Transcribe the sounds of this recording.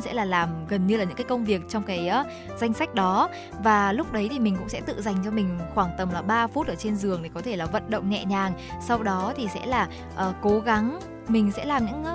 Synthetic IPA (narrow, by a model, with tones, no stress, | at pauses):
sɛ̰˧˥laː˨˩laː˨˩mɣə˨˩nɲɨ˧laː˨˩ɲɨ̰˧˥ŋkaː˨˦kə˧wŋ͡mvi˨˩ək̚t͡ɕɔ˧wŋ͡mkaː˨˦jʔː | za˧jŋ̟sa˦˥jk̟̚ɗɔ˨˦ | vaː˨˩lʊ˦˥k͡p̚ɗə˨˦jt̪ʰi˨˩mï˨˩ŋ̟kʊ̰˧˥ŋ͡msɛ̰˧˥t̪ɨ̰˧˨za˨˩jŋ̟t͡ɕɔ˧mï˨˩ŋ̟xwaː˧˩ŋt̪ə˨˩mlaː˨˩ɓaː˧fu˦˥t̚ʔəː˧˩t͡ɕe˧nzɨ˨˩əŋt̪ʰi˨˩kɔ˨˦t̪ʰe˧˩laː˨˩və̰˧˨nɗə̰˧˨wŋ͡mŋɛ̰˧˨ɲaː˨˩ŋ | sa˧wɗɔ˨˦t̪ʰi˨˩sɛ̰˧˥laː˨˩ | ʔəː˨˩ko˨˦ɣa˨˦ŋ | mï˨˩ŋ̟sɛ̰˧˥laː˨˩mɲɨ̰˧˥ŋ